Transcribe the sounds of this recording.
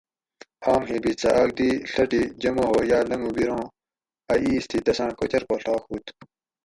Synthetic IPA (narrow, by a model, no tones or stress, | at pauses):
haːmɦeːbit͡sɐ̰ʔɐɡ̚d̪iːɬɐʈid͡ʑɐmoɦoːjaːlɐŋubiɾõː | ɐʔiːst̪ʰid̪ɐsãːkot͡ɕɐɾkoːɬaːkhuːt̪